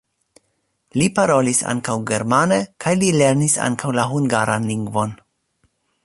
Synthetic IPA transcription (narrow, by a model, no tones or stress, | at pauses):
lipaɾo̞lisa̰ŋkawɡe̞ɾmanekʰajlile̞ɾnisa̰ŋkawlaɦuŋɡaɾʔanliŋɡvo̞n